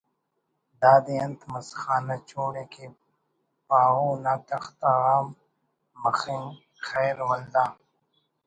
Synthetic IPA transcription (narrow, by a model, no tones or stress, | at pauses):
d̪aːd̪eɐnt̪ʰmɐsxaːnat͡ʃoːɽeːke | paːɦuːnaːt̪ɐxt̪aːɣaːmː | ɐxiŋ | xeːɾwɐld̪aː